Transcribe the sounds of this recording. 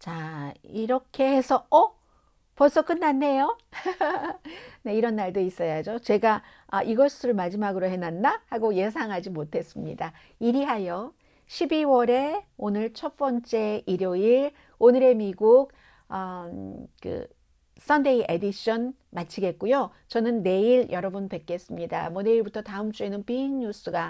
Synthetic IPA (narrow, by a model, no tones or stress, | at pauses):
t͡ɕaiɾʌkʰe̞he̞sʰʌʌ | pʌs͈ʰʌk͈ɯnːanːe̞jo | ne̞iɾʌnːaɭdois͈ʌjad͡ʑot͡ɕe̞ɡa | aʔiɡʌs͈ɯɾɯɭmad͡ʑimaɡɯɾoɦe̞nandahaɡoje̞s̬ʰaŋɦad͡ʑimotʰe̞s͈ɯmɲḭda | iɾiɦajʌ | ɕʰibiwʌɾe̞onɯɭt͡ɕʰʌp͈ʌnt͡ɕ͈e̞iɾjoiɭ | onɯɾe̞miɡuk̚ | ʌ | kɯ̰ | s͈ʰʌnde̞iʔe̞diɕ͈ʌn | mat͡ɕʰiɡe̞t̚k͈ujo | t͡ɕʌnɯnːe̞iɾjʌɾʌbunpe̞k͈e̞s͈ɯmɲida̰mwʌne̞iɭbutʰʌtaɯmt͡ɕ͈ue̞nɯnpiiɲːus͈ɯɡa